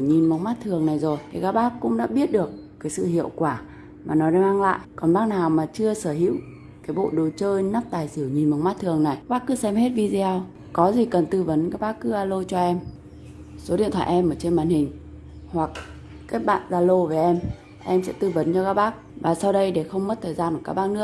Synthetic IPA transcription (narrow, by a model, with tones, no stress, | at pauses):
ɲi˨˩nma˨˦wŋ͡mmaː˦˥t̚t̪ʰɨ˨˩əŋna˨˩jzo˨˩jkaː˨˦jkaː˦˥ɓaː˦˥kkːʊ̰˧˥ŋ͡mɗa̰ː˧˥ɓi˦˥ət̚ɗɨ˨˩əkːaː˨˦jsɨ̰˧˨hḭ˧˨əwkwaː˧˩ | maː˨˩nɔ˨˦ɗa˧˩maː˧ŋla̰ː˧˨jʔkɔ˨˩nɓaː˦˥k̚naː˨˩wmaː˨˩t͡ɕɨ˧əsəː˧˩ɦḭ˧˥əw | kaː˨˦jɓo̰˧˨ɗo˨˩t͡ɕəː˧jna˦˥p̚t̪aː˨˩jsɨ˧˩wɲi˨˩nm˨˦wŋ͡mmaː˦˥t̚t̪ʰɨ˨˩əŋna˨˩ja˦˥ɓaː˦˥kːɨ˨˦sɛ˧mhe˦˥t̚vi˧zi˧aː˧w | kɔ˨˦zi˨˩kə˨˩nt̪ɨ˧və˨˦nkaː˦˥k̚ɓaː˦˥k̚kɨ˨˦zaː˧lo˧t͡ɕɔ˧ʔɛ˧m | so˨˦ɗḭ˧˨nt̪ʰwa̰ː˧˨ʔɛ˧mʔəː˧˩t͡ɕe˧nmaː˧˨nhï˨˩ŋ̟ | hwa˨˩k̚ | kaː˨˦˥k̚ɓa̰ː˧˨nzaː˧lo˧ve˨˩ʔɛ˧m | ʔɛ˧msɛ̰˧˥t̪ɨ˧və˨˦nt͡ɕɔ˧kaː˦˥k̚ɓaː˦˥k̚vaː˨˩sa˧wɗə˧jɗe˧˩xə˧wŋ͡mmə˦˥t̚t̪ʰəː˨˩jzaː˧nɨ˨˩ka˦˥ɓaː˦˥k̚nɨ˦˥ək̚